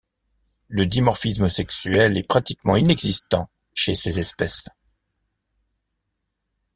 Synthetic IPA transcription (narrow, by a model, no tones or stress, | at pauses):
ləd̪imɔʁfisməsɛksyɛlɛpχat̪ikmɑ̃inɛɡzist̪ɑ̃ | ʃesezɛspɛs